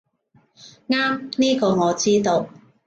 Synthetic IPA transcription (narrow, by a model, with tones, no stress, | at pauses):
ŋaː˥mniː˥ko˧wŋɔː˨˧t͡siː˥t̪o˧w